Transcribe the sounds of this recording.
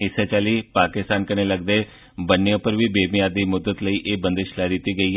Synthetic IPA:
ɪset͡ʃaːliːpaːkɪst̪aːnkəneːləɡd̪eː | bənːeʊpəɾʋiːbeːmɪjaːd̪iːmʊd̪ːət̪ləiːʔeːbə̃nd̪eʃlaːd̪ɪt̪ːiːɡəiːɦ

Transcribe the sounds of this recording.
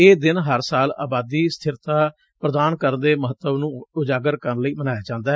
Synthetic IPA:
eːd̪ɪnɦəɾsaːla̰ːbaːd̪iːst̪ʰɪɾt̪aː | pɾəd̪aːnkəɾnd̪eːməɦət̪ːəʋnũːʊd͡ʒaːɡəɾkəɾənləiːbənaːjaːd͡ʒãːnd̪aː

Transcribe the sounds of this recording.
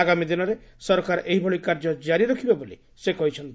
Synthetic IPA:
aɡamid̪inɔɾesɔɾɔkaɾɔʔeɦibʱɔɭikaɾd͡ʒɔd͡ʒaɾiɾɔkʰibebolḭ | sekɔɦit͡ʃʰɔnt̪

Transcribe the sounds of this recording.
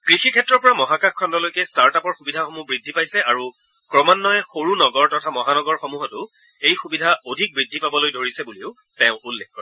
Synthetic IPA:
kɹixikʰɛtɹɔɹpɔɹamɔɦakaxkʰɔndɔlojkɛstaɹtapɔɹxubidʱaxomubɹidʱːipajsɛaɹu | kɹɔmanːɔɛxoɹunɔɡɔɹtɔtʰamɔɦanɔɡɔɹxomuɦɔtʊ | ejxubidʱaodʱik̚bɹidʱːipabɔlojdʱoɹisɛbuliʊ | tɛ̃ʊ̃ʔulːekkɔɹɛ

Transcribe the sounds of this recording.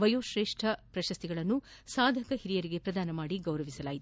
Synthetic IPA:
ʋɐjoːʃɾe̞ːʂʈʰɐpɾɐʃɐst̪iɡɐɭɐnːusaːd̪ʱɐkɐɦiɾijɐɾiɡe̞pɾɐd̪aːnɐmaːɽiɡɐwɾɐʋisɐlaːjit̪

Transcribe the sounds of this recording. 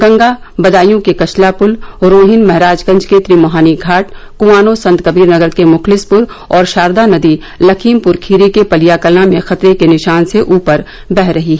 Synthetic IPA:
ɡɐ̃ŋɡa | bɐd̪aːjõkekɐt͡ʃʰlapʊlɾoːɦɪnmɛɦɾaːd͡ʒkɐ̃ɲd͡ʒket̪ɾiːmɐɦaːniɡʱaːʈkʊʋaːnosɐ̃nt̪kɐbiːɾnɐɡəɾkemʊxlɪspʊɾ | ɔːɾʃaːɾd̪anɐd̪i | lɐkʰiːmpʊɾkʰiːɾekepɐlijakɐlãmẽxɐt̪ɾekenɪʃaːnseʔuːpəɾ | bɛɦɾɐɦiɦɛ

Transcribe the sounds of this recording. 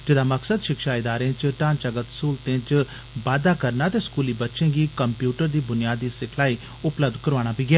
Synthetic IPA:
d͡ʒɪd̪aːməksəd̪ʃɪkʃaːɪd̪aːɾẽːt͡ʃʈãːnt͡ʃəɡət̪suːlt̪ẽːt͡ʃ | ʋaːd̪aːkəɾnaːt̪eːskuːliːbətːʃẽːɡiːkəmpjuːʈəɾd̪iːbʊnɪjaːd̪iːsɪkʰlaːiː | ʊpləb̚d̪kəɾʋaːɽ̃aːpiːɡɪjaː

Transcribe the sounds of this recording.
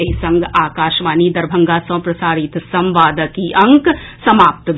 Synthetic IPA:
ɐɦisɐ̃ŋɡaːkaːʃʋaːnid̪ɐɾbʱɐ̃ŋɡasɐ̃pɾɐsaːɾit̪sɐ̃mʋaːd̪əkiʔɐ̃ŋksɐmaːp̚t̪

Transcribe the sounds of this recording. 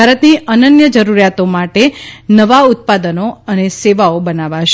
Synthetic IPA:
bʱaɾət̪niənənjəd͡ʒəɾuɾjat̪omaʈenəʋaut̪̚pad̪ənoəneseʋaobənaʋaʃ

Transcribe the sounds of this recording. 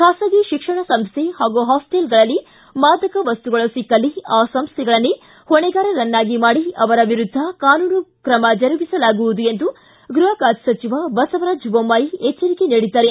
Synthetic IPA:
kʰaːsɐɡiʃikʂɐɳɐsɐmst̪ʰehaːɡuɦaːsʈelɡɐɭɐlːi | maːd̪ʱɐkɐʋɐst̪uɡɐɭɐsikːɐlːiaːsɐmst̪ʰɛɡɐɭɐnːu | hɔɳɛɡaːɾɐɾɐnːaːɡimaːɽiɐʋɐɾɐʋiɾud̪ʱːɐkaːnuːnukɾɐmɐd͡ʒɐɾubisɐlaːɡuʋud̪uend̪u | ɡɾuɦɐkaːd͡ʒ̪sɐt͡ʃiʋɐbɐsɐʋɐɾaːd͡ʒbomːaːjiɛt͡ʃːɐɾikeniːɽid̪ːɐːɾe

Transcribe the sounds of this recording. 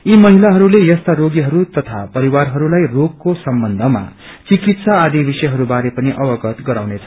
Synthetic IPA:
imʌɦilaɦʌɾulejʌst̪aɾoɡiɦʌɾut̪ʌt̪ʰapʌɾiwarɦʌɾulajrokːosʌmbʌnd̪ʱʌma̰ | t͡sikit̪saːd̪ibisʌjɦʌɾubaɾepʌniʔʌbʌɡʌt̪ɡʌɾawnet͡sʰʌ̥

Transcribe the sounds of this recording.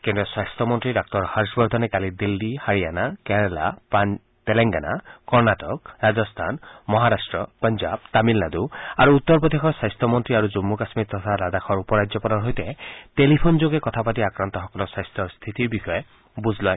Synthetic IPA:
kendɔsajstʰɔmɔntɹidɔk̚tɔɹhaɹsbɔɹd̪ʱɔnɛkalidildihaɹianakɛnɛla̰p | tɛlɛŋɡana̰kɔɹnatɔk̚ɹazɔst̪ʰanmɔɦaɾasʈɹɔpɔnzab̚t̪amilnad̪uaɹuːt̪ːɔɹpɔd̪exɔɹsajstʰɔmɔntɹiaɹuzumːukasmitːɔt̪ʰalad̪axʰɔɹupɔɹad͡ʒzɔpɔnɔɹɦojtɛtelipʰonzoɡɛkɔt̪ʰapatiakɹant̪ɔɦɔkɔlɔsajstʰɔɹst̪ʰit̪iɹbixɔe | buzʱlaj

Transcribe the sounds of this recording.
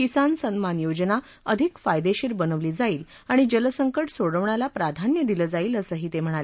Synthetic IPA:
kisansənmanjod͡ʑna | əd̪ʱikfajd̪eɕiːɾbənəʋliːd͡zaiːl | aɽ̃id͡ʑələsəŋkəʈsoɽəʋɳjalapɾad̪ʱanjəd̪iləːd͡zaiːləsəːɦiːt̪em̤əɽ̃ale

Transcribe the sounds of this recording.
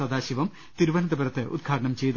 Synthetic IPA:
ɐd̪aːɕiʋɐm | t̪iɾuʋɐnɐd̪ɐbɐɾɐt̪ːɨʔṵd̪ɡʰʱaːʈɐɳɐmt͡ɕejt̪

